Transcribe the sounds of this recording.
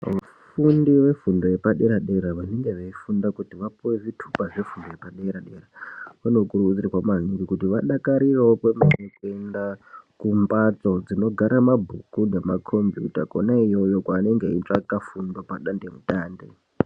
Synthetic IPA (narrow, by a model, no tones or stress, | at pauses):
ʋu | fundiwe̞fundo̞je̞paɗe̞ɾaɗe̞ɾaʋane̞ŋɡe̞ʋeifundakutiʋapuwevitʰu̥paʐe̞fundo̞jepaɗeɾaɗe̞rakuno̞kurukut͡sirikwamaniŋɡikutiʋaɗakaɾirawopwemanekue̞ndakumbat͡so̞d͡zino̞ɡʱaɾamabʱukune̞makʰo̞mbjṵtako̰naijo̞jo̞kwaːne̞ŋɡeit͡ʂakafundopaɗandemutaːndḛ